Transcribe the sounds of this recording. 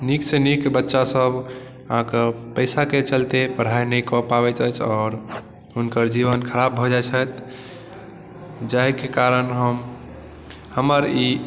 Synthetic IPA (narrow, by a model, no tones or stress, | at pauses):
niksenikbətːʃasəb | ãkepəɪsaket͡ʃəlt̪epəɽ̤ainəjkɔpabɛt͡ʃ̪ət͡ʃʰɔːɾ | unkəɾd͡ʒibənkʰəɾabʱɔd͡ʒaet͡ʃʰət̪ | d͡ʒakekaɾənɦəm | həməɾi